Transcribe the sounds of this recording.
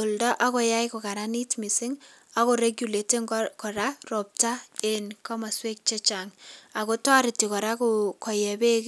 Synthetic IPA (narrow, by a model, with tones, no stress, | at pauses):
o˨ldɔ˦ʔa˦kɔ˨ja˦jko˨ka˨ɾani˦tmi˨sɪŋ | a˨koɾe˦ɡju˨le˨tɪ˦ŋkɔ˨ɾarɔ˨p̚tae˨nka˦ma˨swe˦k̚t͡ʃɛ˦t͡ʃaŋa˨ko˦twaɾɪ˨ti˨kɔ˨ɾa˦kukɔ˨jɛ˨be˦k